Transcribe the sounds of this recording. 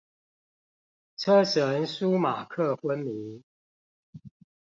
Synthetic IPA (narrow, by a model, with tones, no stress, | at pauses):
t͡sʰə˥ʂə˨˦nsu˥˦ma˨˩kʰɤ˥˨xwə˦nmi˨˦